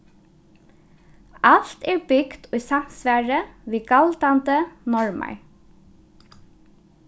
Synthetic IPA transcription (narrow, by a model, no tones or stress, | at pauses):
al̥t̪ɛɹbʏkt̪ʊjsam̥sʋæːɹəʋiːɡalt̪ant̪ənɔɹma̰ɹ